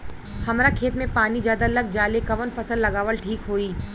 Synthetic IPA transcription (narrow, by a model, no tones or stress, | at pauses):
hɐmɾakʰeːt̪mẽpaːnid͡ʒjaːd̪aləɡ̚d͡ʒaːlekɐʋənfɐsəlːɐɡaːʋəlʈʰiːkɦoːiː